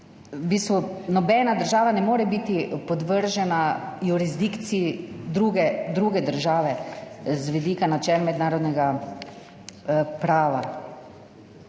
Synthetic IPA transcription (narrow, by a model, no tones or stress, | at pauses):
biːst̪ʋunɔbɛːnad̪əɾʒaːʋanɛmoːɾɛbiːt̪ipɔd̪ʋəɾʒɛnajuɾizd̪ikt̪siid̪ɾuːɡɛd̪ɾuːɡɛd̪əɾʒaːʋɛzʋɛd̪iːkanat͡ʃɛːlmɛd̪naːɾɔd̪nɛɡa | pɾaːʋa